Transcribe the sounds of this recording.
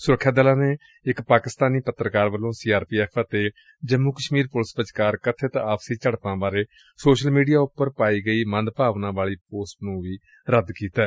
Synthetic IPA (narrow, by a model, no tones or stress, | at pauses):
sʊɾəkʰːjaːd̪əlãːneː | ɪkpaːkɪst̪aːniːpət̪ːɾəkaːɾʋəlːõːsiːaːɾpiːɛːpʰaːt̪eː | d͡ʒəmːuːkəʃmiːɾpʊlɪspət͡ʃkaːɾkət̪ʰːeːt̪aːpsiːt͡ʃəɽpãːbaːɾeː | soːʃəlmiːɖijaːʊpːəɾpaːiːɡəiːmənd̪paːʋnãːʋaːɭiːpoːsʈnũːʋiː | ɾəd̪kiːt̪ɛː